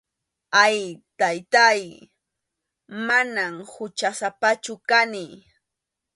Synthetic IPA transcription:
ajt̪ajt̪aj | manamhʊt͡ʃasapat͡ʃʊkanɪ

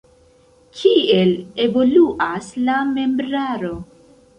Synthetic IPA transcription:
kʰie̞le̞vo̞luʔaslame̞mbɾaɾo̞

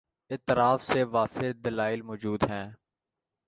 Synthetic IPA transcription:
ɪt̪ɾaːfseʋaːfɪɾd̪əlaːɪlmoːd͡ʒuːd̪ɦɛ̃ː

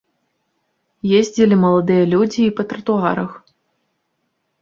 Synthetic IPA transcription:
jezʲd͡zʲilʲimɐlˠɐd̪ɨjɐlʲud͡zʲiːpɐt̪ɾɐt̪uaɾɐx

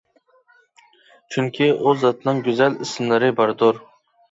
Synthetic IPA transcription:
t͡ʃʰyŋkʲʰiʔʊzːɑt̪ʰnɨŋɡʲyzælɪsɪmlˠɪɾɪbɑɾd̪ʊɾ

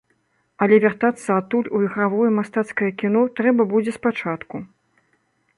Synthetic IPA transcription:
ɐlʲɛvʲart̪at̪sːɐat̪ːulʲujiɣɾavɔjɛmast̪at̪skɐjɐkʲinɔt̪ɾɛbɐbud͡zʲɛspat͡ʂat̪ku

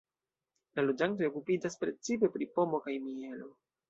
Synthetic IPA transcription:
lalo̞d͡ʒanto̞jo̞kupid͡ʒaspɾe̞t͡sipe̞pɾipo̞mo̞kajmie̞lo̞

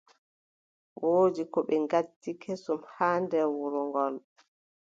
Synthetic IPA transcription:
wʔoːd͡ʒikɔɓɛŋɡatːikʰesumhaːndɛwuɾɔŋɡɔl

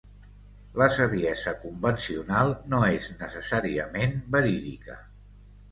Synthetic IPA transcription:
ləsəβiɛzəkumbənsiunalˠnoeznəsəsaɾiəmenbəɾiðikə̰

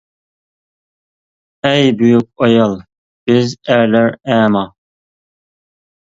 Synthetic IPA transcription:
ɛjbyjyk̚ɑjɑlˠ | b̥ɪzæɾlæɾæːmɑ

